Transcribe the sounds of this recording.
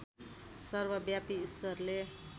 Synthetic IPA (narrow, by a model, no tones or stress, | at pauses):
sʌrbʌbjapiːswʌrle